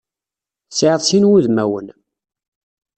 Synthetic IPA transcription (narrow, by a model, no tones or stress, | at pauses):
sʕəðˤsinwuðmæwə̰n